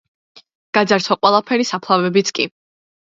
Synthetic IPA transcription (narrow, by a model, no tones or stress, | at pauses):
ɡ̥ad̪zaɾt̪ʰɔqʼwɛlˠapʰɛɾisapʰlˠavɛbit̪sʰkʼi